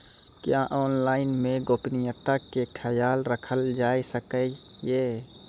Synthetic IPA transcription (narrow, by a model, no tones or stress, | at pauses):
kjaʔoːnlaːɪnmẽɡoːpnijət̪akekʰɛjaːlɾəkʰəld͡ʒaːisəkə | jeː